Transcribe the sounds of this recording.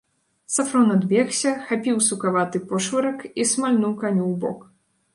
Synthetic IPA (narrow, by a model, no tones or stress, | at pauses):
safɾɔnad̪bʲɛxsʲɐxapʲiwsukavat̪ɨpɔʂvɨɾɐkismalʲnuwkanʲuwbɔ̰k